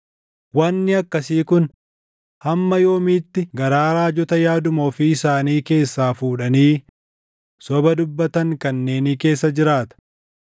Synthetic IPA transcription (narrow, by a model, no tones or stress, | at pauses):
wɐnːɪɐkːɐsiːkʊn | hɐmːɐjo̞ːmiːt̪ːɪɡɐɾaːɾaːd͡ʒɔt̪ɐjaːd̪ʊmoːfɪɪsaːniːke̞ːsːaːfuːᶑɐniː | sɔbɐd̪ʊbːɐt̪ɐŋkɐnːe̞ːniːke̞ːsːɐd͡ʒɪɾaːt̪ɐ̥